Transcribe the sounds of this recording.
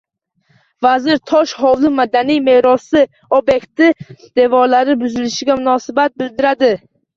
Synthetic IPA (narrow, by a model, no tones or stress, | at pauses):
vazɪɾt̪ʰɒʃhɒwlˠɪmad̪anijme̞ɾɒsɪ | objekt̪ɪd̪̥e̞vɒɾlaɾɪbʊzɪlɪʃɪɡʲamʊnɒsɪbat̪̚bɪld̪ɪɾad̪ɪ